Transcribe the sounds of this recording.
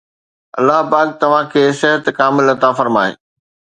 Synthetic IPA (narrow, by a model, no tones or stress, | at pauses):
ɐ̰lːaɦpaːk̚t̪ɐʋ̤ãkʰeːsɪɦət̪kaːmɪlɐt̪afɐɾmaːḛː